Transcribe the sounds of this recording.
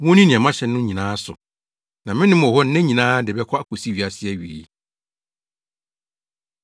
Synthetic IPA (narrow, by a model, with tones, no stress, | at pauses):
wɔ̃˦nĩ˦nɪ̃˨ɛ˨mã˦ɕɛ˨nː˦ʊ̃˦ɲĩ˨nãː˦sʊ̰˨ | nã˨mɪ̃˦nɪ̃˦m˨ɔ˨hɔ˦n˦nɛ̃˦ɲĩ˨nãː˦dɪ˨bɛ˦kʰɔ˦a˨kʰo˨si˦ɥi˨a˨sɪ˦ɛ˦ɥi˨i˦